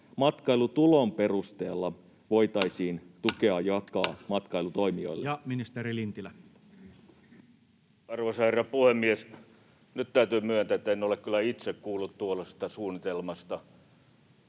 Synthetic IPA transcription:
mɑt̪kɑjlut̪ulo̞mpe̞rust̪eːlːɑ | ʋo̞jt̪ɑjsiːnt̪uke̞ɑjɑkɑːmɑt̪kɑilut̪o̞jmio̰ilːjɑminist̪erilint̪ilæ | ɑrʋosɑherːɑpuhemːies | nytt̪æyt̪yːmyønt̪æet̪ːæenːolekkylːˑæit̪sekkuːlːut̪t̪uolest̪ɑsuːnit̪elmɑst̪ɑ

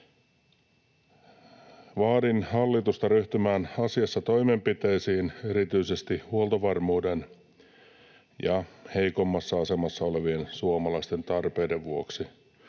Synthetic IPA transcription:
ʋɑːdinhɑlːit̪ust̪ɑɾyht̪ymæːnɑsiɑsːɑt̪o̞jme̞mpit̪e̞jsiːne̞ɾit̪yise̞st̪ihuolt̪oʋɑrmuːde̞n | jɑhe̞jko̞mːɑsːɑɑse̞mɑsːɑo̞le̞ʋie̞nsuomɑlɑist̪e̞nt̪ɑrpe̞jde̞ʋʋuo̰ksi

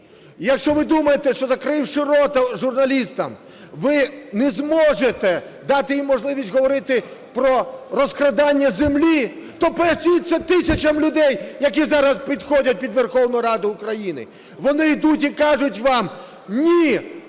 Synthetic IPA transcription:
jɐkʃt͡ʃɔʋɪd̪umɐjet̪ɛʃt͡ʃɔzɐkɾɪwʂɪɾɔt̪ɐʒʊrnɐlʲist̪ɐm | ʋɪnɛzmɔʒet̪ɛ | d̪ɑt̪ɪjimːɔʒlˠɪʋʲisʲtʲɦɔʋɔɾɪt̪ɪpɾɔɾɔskɾɐd̪ɑnʲːɐzemlʲit̪ɔpɛsʲijit̪sʲɛt̪ɪsʲɐt͡ʃɐmlʲʊd̪ɛjjɐkʲizɑɾɐspʲid̪xɔdʲɐt̚ʲpʲid̪ʋerxɔwnʊjɾɑd̪ʊʊkɾɐjinɪ̰ | ʋɔnɪjd̪utʲikɑʒʊtʲʋɑm | nʲi

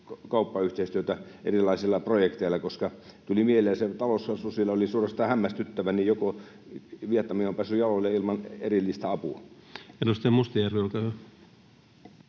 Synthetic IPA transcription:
kkɑupːɑyht̪eˑist̪yøt̪æḛrilˑɑisilːɑprojekt̪eilːˑɑkoskɑt̪ulimiehelˑeːɑset̪ɑlosːɑsusielːɑolisuorɑst̪ɑhæmːæst̪yt̪ːæʋænijoko | ʋiet̪nɑmiompæːsːyjɑlolːeilmɑnḛrilːist̪æɑpuɑenust̪emust̪ijærʋiolkæhæ

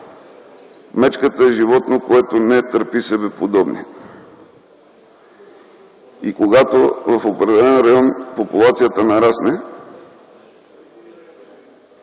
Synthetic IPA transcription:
mɛt͡ʃkət̪əɛʒivɔt̪nokoɛt̪onɛt̪əɾpisɛbɛpod̪ɔbnḭ | ikoɡat̪ovɐfopɾɛd̪ɛlɛnɾɐjɔnpopulˠat̪sijət̪ənɐɾasnɛ

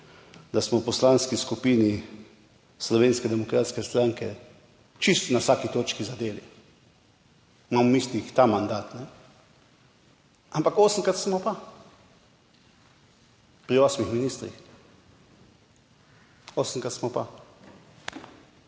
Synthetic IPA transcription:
d̪asmɔwpɔslanskiskupiːni | slɔʋeːnskɛd̪ɛmɔkɾaːt̪skɛst̪ɾaŋkɛ | t͡ʃist̪nawsakit̪oːt͡ʃkizad̪eːlḭ | mamɔmislixt̪amand̪aːt̪nɛ | ampakɔːsəŋkɾat̪smɔpa | pɾiɔsmixminiːst̪ɾḭx | ɔsəŋkɾat̪smɔpa̰

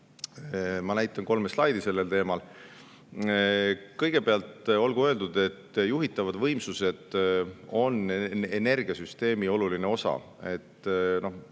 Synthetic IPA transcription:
mɑnæjt̪ːˑɑnko̞lmeslɑjd̪ise̞lːelt̪e̞ːmɑl | kɤ̞jɡ̥e̞peɑlt̪o̞lɡuøld̪ud̪̥e̞t̪ːjuɦit̪ːˑɑvɑd̪vɤ̞jmsuse̞d̪̥o̞nene̞rɡ̥iɑsyst̪e̞ːmio̞luline̞o̞sɑ̰ | e̞t̪ːno̞h

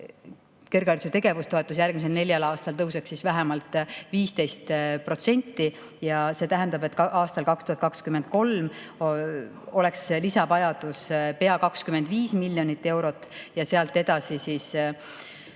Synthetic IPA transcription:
kerɡ̥ɑrset̪e̞ɡ̥e̞vust̪o̞e̞t̪ːˑusjærɡ̥mis̬elne̞lʲjɑlɑːst̪ɑlt̪ɤwseksisvæɦemɑlt̪ˑviːst̪e̞jst̪pro̞t̪se̞nʲt̪ːi | jɑseːt̪æɦend̪ɑbe̞t̪ːˑkʔɑːst̪ɑlkɑkst̪uhɑt̪̚kɑkskymend̪̚ko̞lm | o̞le̞kslisɑbɑjɑd̪̥uspe̞ɑkɑkskyme̞nd̪viːsmilʲːjo̞nit̪ːe̞wɾo̞t̪ːˑjɑse̞ɑlt̪ːˑed̪ɑsisis

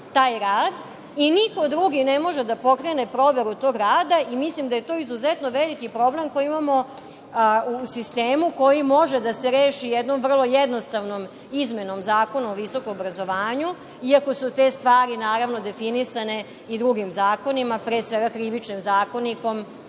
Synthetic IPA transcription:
t̪aːjɾaːd̪ | iniko̞d̪ɾuɡinemo̞ʒed̪apo̞kɾe̞ne̞pɾo̞ʋe̞ɾut̪o̞ɡɾaːd̪aimislimd̪aje̞t̪o̞izuzet̪noʋelikipɾo̞ble̞mko̞jiimamo̞ | usist̪e̞ːmuko̞jimo̞ʒed̪aseɾeːʃijed̪no̞mvr̩lˠo̞jed̪nost̪aʋno̞m | izme̞no̞mzaːko̞nuoʋiso̞komobɾazo̞ʋaːɲu | iako̞sut̪e̞st̪ʋaːɾinaːɾaʋno̞d̪e̞finisane̞ | id̪ɾuɡimzaːko̞nimapɾesʋe̞ɡakɾiʋit͡ʃnimzaːko̞niko̞m

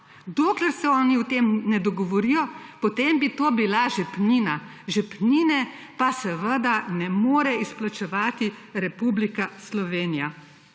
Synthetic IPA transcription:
d̪oːklɛɾsɛɔːniut̪eːmnɛd̪ɔɡɔʋɔɾijɔpɔt̪eːmbit̪oːbilaʒɛpniːna | ʒɛpniːnɛ | pasɛʋəd̪anɛmoːɾɛisplat͡ʃɛʋaːt̪iɾɛpublikaslɔʋeːnija

